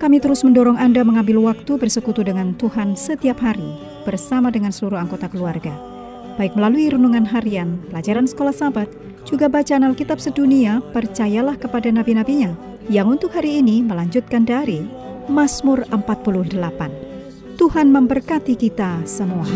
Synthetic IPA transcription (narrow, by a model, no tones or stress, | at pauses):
kamit̪əɾʊsməndɔɾɔŋandaməŋambɪlwak̚t̪ubərsəkut̪udəŋant̪uhansət̪iapɦaɾi | b̥ərsamadəŋansəluɾuhaŋɡot̪akəluarɡa | b̥aɪk̚məlaluiɾunuŋanɦaɾianpəlad͡ʒaɾansə̥kolahsabat̪̚ | d͡ʒuɡabat͡ʃaːnalkit̪ap̚səduniapərt͡ʃajalahkəpadanabinabiɲa | jaŋunt̪ʊkhaɾiːniməlaɲd͡ʒʊt̪̚kandaɾi | masmʊrəmpat̪̚pulʊhdəlapan | t̪uhanməmbərkat̪ikit̪asəmua